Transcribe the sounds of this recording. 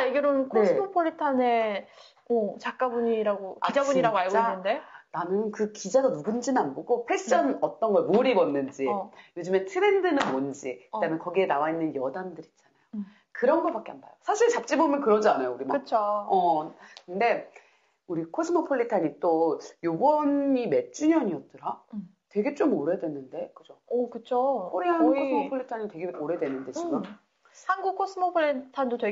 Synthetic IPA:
aɡeɾɯnkʰoesmopʰoʎːitʰane̞ | ot͡ɕak͈abuɲiɾaɡokaid͡ʑabuɲiɾaɡoaɭɡoanːɯnde̞nanɯnkɯkid͡ʑaɡanuɡund͡ʑinnanboɡopʰet͡ɕ͈ʌnʌt͈ʌnɡʌɭmoɾibʌnːɯnd͡ʑijod͡ʑɯme̞tʰɯɾe̞ndɯnɯnond͡ʑikɯdamjʌnkʌɡie̞nawainːɯnjʌdandɯɾit̚t͡ɕ͈anajo | kɯɾʌnɡʌpak͈eamba̰josʰaɕʰiɭt͡ɕap̚t͡ɕ͈ibomjʌnkɯɾʌd͡ʑanajouɾima̰ɯt͡ɕʰoʌkɯnde̞ | uɾikʰos͈ʰɯmʌpʰoʎːitʰaɲit͈ojobʌnime̞t͡ɕ͈uɲʌɲiʌt̚t͈ɯɾa | twe̞ɡe̞t͡ɕ͈omoɾedwe̞nːɯnde̞kɯd͡ʑokɯt͡ɕʰokoɾiɦanɡukʰosɯmopʰoɭːitʰaɲitwe̞ɡe̞moɾe̞dwenɯnde̞t͡ɕiɡɯm | hanɡukʰːos͈ʰɯmopʰoɭitʰandotwe

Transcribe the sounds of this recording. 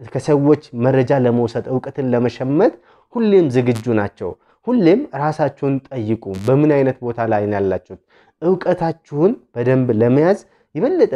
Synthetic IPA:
kʰəsəwːo̞t͡ʃːmərːəd͡ʒaləməwsəd̪ʼɨwkʼət̪ʰɨnləməʃɛmːət̪ | hulːemzɨɡɨd͡ʒːunat͡ʃːɛ̰w | hulːemɾasat͡ʃːɛwunt̪ʼəjːɨkʼubəmɨnajnət̪bo̞t̪ʰalajnjalːa̰t͡ʃːɛhut̪̚ | ʔɨwkʼət̪ʰat͡ʃːɪhʊnb̥əd̪əmbləməjaz | jɪβəlːət̪ʼ

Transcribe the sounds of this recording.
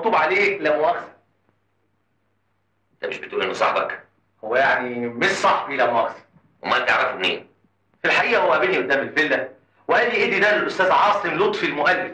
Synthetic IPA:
t̪ˤːuːbʕaleːlæmobɑːɾˤɑsæ̥ | ent̪æmeʃbet̪uːlʔenːosˤɑ̰ħbɑ̰k | howːæjaʕnimeʃsˤɑħbiʔlæmoɑɾˤɑsæ̥ | wḛmæʔælt̪ḛʕɾɑfebnḛːn | filħaʔiːʔæhowːæʔæbinːiʔod̪ːæːmelfelːæ | weʔælːiʔeːd̪id̪ælʔʊst̪æːzʕɑːsˤemlot̪ˤfilmoʔælːef

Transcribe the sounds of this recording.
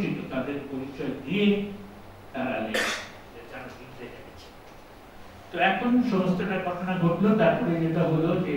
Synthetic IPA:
kint̪ut̪ad̪eɾpoɾit͡ɕɔed̪ie | t̪aɾale | ed͡ʑaɾoɡik̪ɾed͡ʑeket͡ɕʰe̥ | t̪oɛkʰonʃɔmost̪oʈaɾkɔʈʰonaɡʱoʈlot̪aɾpɔɾenet̪aɦolod͡ʑe

